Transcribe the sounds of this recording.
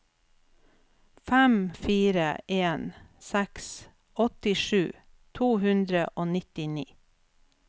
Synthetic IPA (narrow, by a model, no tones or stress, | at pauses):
fæmfiːɾəʔeːnsæks | ɔt̪ɪʃʉː | t̪ʰuːhʉnd̪ɾəʔoːnɪt̪ɪniː